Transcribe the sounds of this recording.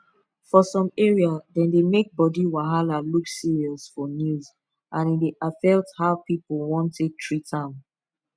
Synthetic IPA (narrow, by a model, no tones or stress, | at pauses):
fɔsɔ̃mɛɹiadɛ̃ndemek̚bɔdiwaɦalaluksiɹiɔsfɔnjuz | ʔãnideʔafɛlthaʊpipəl̩ˠwɔ̃ntːek̚tʰɹitʰãʊ̃n